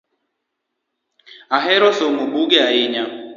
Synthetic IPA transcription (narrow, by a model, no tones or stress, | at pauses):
aɦɛɾɔsomobuɡɛaɪɲa